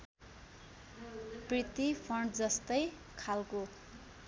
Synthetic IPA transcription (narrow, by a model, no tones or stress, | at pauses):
prit̪ipʰʌɳɖd͡zʌst̪ʌj | kʰalko